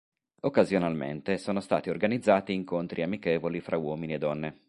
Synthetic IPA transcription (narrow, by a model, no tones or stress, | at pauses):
okːazjonalmḛnt̪esoːnost̪a̰ːt̪iorɡanid̪zːaːt̪iːŋkont̪ɾʔiamikeːvolifɾawɔːminied̪ːɔnːe